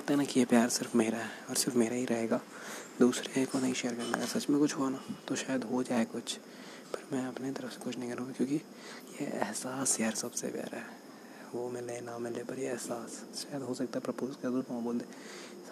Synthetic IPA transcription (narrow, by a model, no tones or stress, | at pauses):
k̚t̪aɦɛnakijepjaːɾsɪɾfmeːɾaɦɛɔːɾsɪɾfmeːɾaɦiɾɐɦeːɡaː | d̪uːsɾeɦɛkonaiʃejəɾkẽnd̪a̰ːɡəɾsɐt͡ʃmẽkʊt͡ʃʰɦoanat̪oʃaːjəd̪ɦod͡ʒaːekʊt͡ʃʰ | pɐɾmɛ̃ɐpnet̪ɐɾəfse̥kʊt͡ʃʰnɐɦĩkɐɾũːɡikjõːki | jeɛ̰ɦsaːsaɾsɐbsḛpja̰ːɾɦɛː | ʋomɪlenamɪlepɐɾjeɛɦsaːsʃaːjəd̪ɦosɐk̚t̪aɦɛpɾɐpuːzkɐɾd̪oõm̃boːld̪e | s